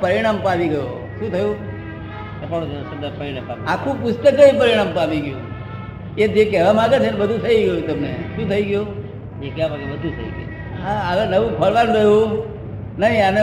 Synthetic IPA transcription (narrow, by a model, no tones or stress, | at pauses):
pəɾiɽ̃ampaʋiɡəjo | ʃũt̪ʰəjũ | t̪əpaɽũt̪sənd̪əpəinepaakʰũpʊst̪əkəĩpəɾiɽ̃ampaʋiɡjṵ̃ | ed͡ʒekɛɦʋamãɡet͡ʃʰenbəd̪ʱũt̪ʰəiɡəjut̪əmnḛʃũːt̪ʰəiɡju | d͡ʒekɛʋamaɡebəd̪ʱũt̪ʰə̰ḭɡəj | ɦãəʋenəʋũpʰəɭʋanɾəɦjũ | nəɦĩane